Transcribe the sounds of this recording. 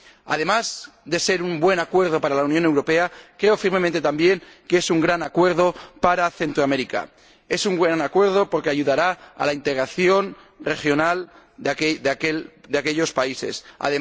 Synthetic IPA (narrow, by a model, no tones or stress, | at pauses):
a̰ð̞e̞maz | ðe̞se̞ɾumbwe̞nakwe̞ɾð̞o̞paɾalauwnjone̞wɾo̞pe̞akɾeofiɾmemẽnt̪et̪ambje̞ŋkesuŋɡɾanakwe̞ɾðo̞paɾaθe̞nt̪ɾoameɾika̰ | e̞suŋɡwanakwe̞ɾð̞o̞po̞ɾke̞aʝuðaɾaa̰laint̪e̞ɣɾaθjo̞n | re̞xjo̞nal | ðakeld̪eakeʎo̞spaisḛsa̰ðe